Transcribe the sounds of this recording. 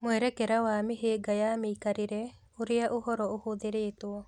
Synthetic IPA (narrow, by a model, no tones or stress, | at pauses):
mʊɛɾɛkɛɾawaːmiɦeɡajamikaɾiɾɛ | uɾɪjaʔuhɔɾɔohod̪eɾeːt̪uɔ